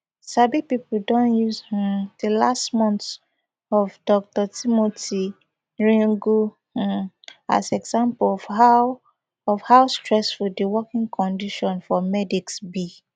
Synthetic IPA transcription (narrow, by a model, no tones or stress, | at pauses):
sabipipudɔ̃njuzh̩d̥elastmɔ̃nt | ɔvdɔk̚tɔtimotʰi | ɹĩŋɡu | h̩ | a̰zɛɡzãmplɔa | ɔfhaʊstɹɛsfuldiwɔkĩŋkʰɔ̃ndiʃɔ̃nfɔmɛdiksbi